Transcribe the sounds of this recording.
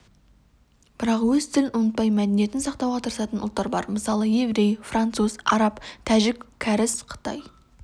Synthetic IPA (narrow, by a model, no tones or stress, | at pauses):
b̥ɪɾɑqwɵzt̪ʰɪlɪnʔʊnət̪̚pɑjmæd̪enije̞t̪ɪnsɑqt̪ɑwʁɑt̪ʰəɾəsɑt̪ənʊlˠt̪ːɑɾbɑɾməsɑlˠəjevɾejfrant̪suzɑ̰ɾɑpt̪ʰæʒɪkkʲʰːæɾɪsqʰə̥t̪ɑ̰j